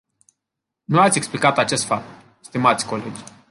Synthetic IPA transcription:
nuat̪sʲeksplikat̪at͡ʃe̞st̪fap̚t̪ | st̪imat̪sʲko̞le̞d͡ʒʲ

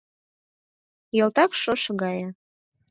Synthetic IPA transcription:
jɤ̆lˠt̪ɑkʃoʃəɣɑjə

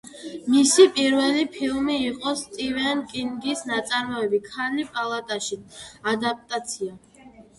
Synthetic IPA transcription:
misipʼiɾvɛlipʰilˠmiːqʼɔst̪ʼivɛnkʼiŋɡisnat̪sʼaɾmɔɛbikʰanipʼalˠat̪ʼaʃiad̪ap̚ʼt̪ʼat̪sʰia

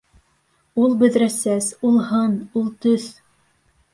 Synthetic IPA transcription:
ulˠbɵ̆ðɾæsæsulˠhɤnulˠt̪ɵθ

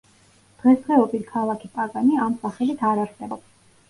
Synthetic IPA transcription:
d̪̥ʁɛsʁɛɔpʼiɾkʰalˠakʰipʼaɡaniamsaχɛlit̪ʰaɾaɾsɛbɔps

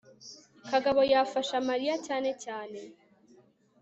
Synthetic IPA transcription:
kaɡaβo̞jafaʃamaɾijacaːne̞caːne̞

